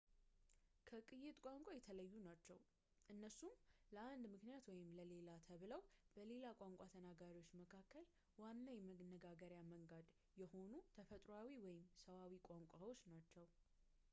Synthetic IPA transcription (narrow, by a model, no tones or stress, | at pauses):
kʰəkʼɨjːɪt̪ʼkʼaŋkʷʼajɛt̪ʰələjːunat͡ʃːɛw | ʔɨnːəsumləand̪mɨknijat̪wɔjɪmləle̞lat̪ʰəβɨləwb̥əle̞lakʷʼaŋkʷʼat̪ʰənaɡaɾiwo̞t͡ʃːməkʰakːəl | wanːajɛmənːəɡaɡəɾjaməŋɡad̪ | jɛho̞nut̪ʰəfət̪ʼɾoawiwɔjɪmsəβawikʷʼaŋkʷʼawo̞t͡ʃnat͡ʃːɛw